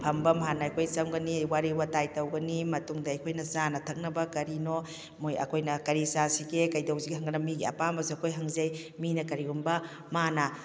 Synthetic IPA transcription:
pʰɐmbɐmɦanɐɐjkʰojsɐmɡɐniwaɾiwatajtɐwɡɐnimɐtuŋdɐːjkʰojnɐzanɐtʰɐk̚nɐbɐkɐɾino | mujɐ̰kʰojnɐkɐɾisasiɡekɐjdɐwziɡiɦɐŋɡɐnɐmiɡiɐ̰pambɐzeɐkʰojɦɐŋzɐjminɐkɐɾiɡumbɐ | manɐ

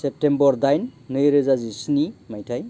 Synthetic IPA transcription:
sep̚ʈembɔɾd̪ajnːɯjɾezazisnimajtʰaj

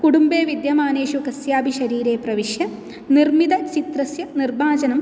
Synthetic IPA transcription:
kuɽumbeːʋid̪jɐmaːneːɕukɐsjaːbʱiɕɐɾiːɾeːprɐʋiʂjɐ | nirmid̪ɐt͡ɕit̪rɐsjɐnirbaːd͡ʑɐnɐm

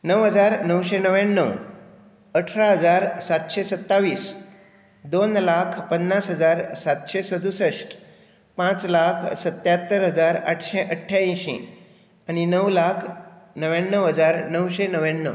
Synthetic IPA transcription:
nəʋɦəd͡zaɾnəwɕenəʋjanːəw | əʈʰɾaɦəd͡zaɾsat̪ɕesət̪ːaʋiːs | d̪onlakʰpənːasɦəd͡zaɾsat̪ɕesəd̪ʱusəʂʈ | pãt͡slakʰsət̪jat̪ːəɾɦəd͡zaɾa̰ʈʰɕeʔəʈʰːjaĩɕḭ̃ | añinəwlakʰnəʋjanːəwɦəd͡zaɾnəwɕenəʋjanːə̰w

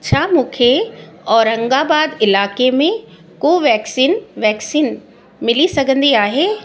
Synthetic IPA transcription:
t͡ɕʰaːmũːkʰeɔːɾɐ̃ŋɡaːbaːd̪ɪlaːkemẽ | koːʋɛːksiːnʋɛːksiːn | mɪlisɐɡʱə̃nd̪iaːɦeː

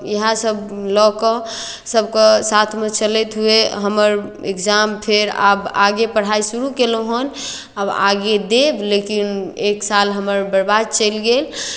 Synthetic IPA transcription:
jəɦãsəblɔkə̃ | səbkəsat̪ʰmet͡ʃəlɛt̪ɦueɦəməɾḛkd͡ʒampʰeɾa̰baɡepəɽ̤aisuɾukeloɦən | aba̰ɡed̪eblekineksalɦəməɾbəɾbad̪̚t͡ʃəjlɡel

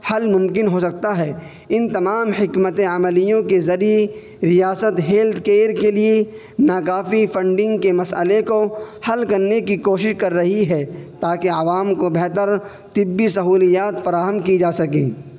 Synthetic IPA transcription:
hɐlmʊ̃mkɪnɦosɐk̚t̪aɦɛ | ɪnt̪ɐmaːmhɪkmət̪eɐməlijõkezɐɾie | ɾijaːsət̪ɦeːld̪keːɾkelie | naːkaːfifɐ̃ɳɖɪ̃ŋɡkemɐsə̰lekohɐlkɐɾnekikoːʃɪʃkɐɾːɐɦiɦɛt̪aːkeɐʋaːmkobɛɦt̪əɾ | t̪ɪbːisɐɦuːlijaːt̪fɐɾaːɦəmkid͡ʒaːsɐkḛ̃ː

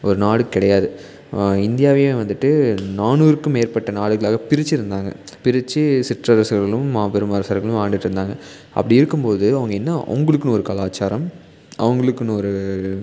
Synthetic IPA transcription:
ɔɾɯnaːɽɯkːɪɽɐjaːðɯ | ɪnd̪ɪjaːʋɐjeʋɐnd̪ɯʈːɯnaːnuːɾɯkːɯmeːɾpɐʈːɐnaːɽɯɣɐɭaːɣɐpɪɾɪt͡ʃːɪɾɯnd̪aːŋɡɐ̰ | pɪɾɪt͡ʃːɯsɪʈrɐɾɐsɯɣɐɐɭɯmːaːpɛɾɯmɐːɾɐsɐɾɣɐɭɯ̃maːɳɖɪʈːɾɯnd̪aːŋɡɐ | ʔɐ̰pːɐɽɪɪɾɯkːɯmpoːðɯɐʋɐŋɡɐɛnːɐɐ̰ʊŋɡɐɭɯkːɯnɔɾɯkɐlaːt͡ʃːaːɾɐm | ʔɐ̰ʋɐŋɡɐɭɯkːɯnɔɾɯ

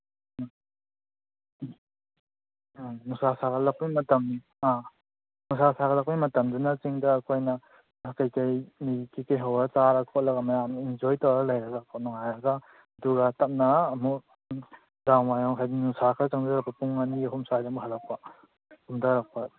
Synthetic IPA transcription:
nusasaɡɐlɐk̚pijmɐtɐm | a | nusasaɡɐlɐk̚pijmɐtɐmd͡ʒunɐt͡ʃiŋdɐːkʰojnɐ | akajkɐjmikʰikejɦawɾɐt͡ʃaɾɐkʰɔt̚lɐɡɐmɐjamind͡ʒojtawɾɐlɐjɾɐɡakʰɔnuŋajɾɐɡɐ | ɐduɡɐtɐp̚nɐːmu | daŋmajɔŋkʰajdinusakʰat͡ʃaŋɾɐk̚pɐpuŋaniɐɦumsajdamuɦɐlɐk̚pa | umdaɾak̚pa

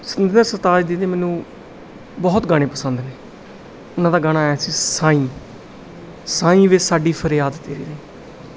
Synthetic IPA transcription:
sənd̪ːnasət̪aːd͡ʒd̪iːneːmɛːnũː | bɔːt̪ɡãːɽ̃ẽːpəsənd̪neː | ʊnãːd̪aːɡaːnaːɛːsiːsãːĩː | sãːĩːʋesaːɖiːpʰəɾjaːd̪t̪eːɾḭːɾeĩː

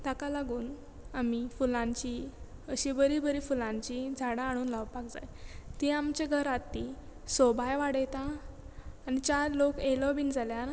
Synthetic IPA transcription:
t̪akalaɡuːn | amifulãɲt͡ɕiəɕibəɾibəɾifulãɲt͡ɕid͡zʱaɽãːɽ̃uːnlawpakd͡za̰jt̪iamt͡ɕeɡʱəɾat̪i | sobʱajʋaɽjt̪aː | ñit͡ɕaɾlokelɔbiːnd͡zʱaljaɾ

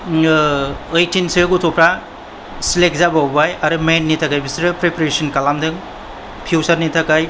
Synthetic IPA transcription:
ɐjtinsiɾɡutʰɔpʰɾa | silek̚zabawbajaɾɯmenːitʰakajbɐsiɾɯpɾepɾesɐnkalamdɯŋ | pʰuwsaɾnitʰakaj

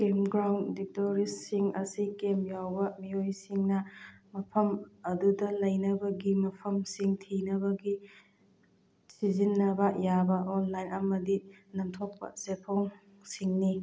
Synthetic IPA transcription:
kemɡɾawndik̚toɾistːiŋɐ̰sikemjawbɐmijojsiŋnɐmɐpʰɐmɐdudɐlɐjnɐbɐɡimɐpʰɐmsiŋtʰinɐβɐɡi | sizinːɐbɐjabɐʔonlajnɐmɐdinɐŋtʰok̚pɐ̰sepʰoŋ | siŋni

